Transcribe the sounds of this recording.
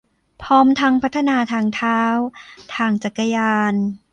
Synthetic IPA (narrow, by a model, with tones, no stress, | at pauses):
pʰɔː˦˥mt̪ʰa˦˥ŋpʰa˦˥t̪ʰːa˧naː˧t̪ʰaː˧˩ŋt̪ʰaː˦˥wt̪ʰaː˧ŋt͡ɕa˨˩kːa˧jaː˧n